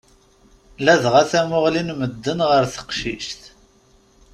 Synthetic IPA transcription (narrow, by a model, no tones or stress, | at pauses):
læðʁæθæmʊʁlinməd̪ːənʁəɾθə̥qʃḭʃt̪